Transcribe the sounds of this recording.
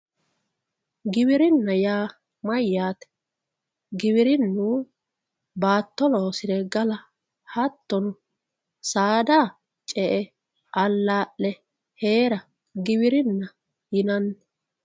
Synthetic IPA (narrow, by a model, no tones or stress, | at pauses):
ɡɪβɪɾɪnːɐjaː | mɐjːaːt̪ɛ̥ | ɡɪbɪɾɪnːu | baːt̪ːɔloːsɪɾɛɡɐlɐ | hɐt̪ːɔnʊ | saːd̪aː | t͡ʃʼɛʔɛ | ʔɐlːaːʔlɛ | he̞ːɾɐ | ɡɪβɪɾɪnːɐ | jɪnɐnː